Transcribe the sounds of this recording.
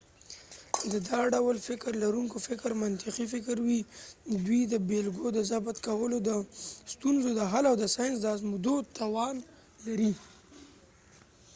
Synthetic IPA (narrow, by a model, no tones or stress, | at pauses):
d̪əd̪ɑɖawlfɪkɾlaɾuŋkofɪkɾmant̪ɪqifɪkɾwid̪wid̪əbelɡod̪əzabat̪kawəlod̪əst̪unzod̪əɦalawd̪əsɑjɪns̬d̪əazmud̪ot̪awɑn | laɾi